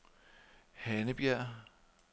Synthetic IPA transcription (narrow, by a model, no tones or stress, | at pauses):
hænəb̥jæɐ̰